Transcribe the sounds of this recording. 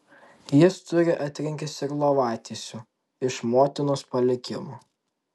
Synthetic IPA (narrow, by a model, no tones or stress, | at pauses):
jɪst̪ʊɾʲɪʔɐt̪ʲɾʲɪŋʲkʲɪsɪɾlˠoʋɑːt̪ʲisʲʊ | ɪʃmoːt̪ʲɪnʊspɐlʲɪkʲɪmoː